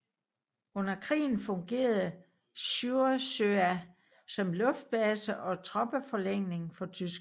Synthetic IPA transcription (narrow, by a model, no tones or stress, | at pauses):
ɔ̽n̰ɐkʰʁḭːn̩fɔ̽ŋɡ̥e̝̰ːɐð̩ˠ | ɕuɐsøæ | sɒ̽mlɔ̽fd̥̚b̥lɛsəʔɒ̽t͡sʰʁɒ̽b̥əfɒ̽leŋ̰ne̝ŋfɒ̽t͡sʰys̬ɡ̥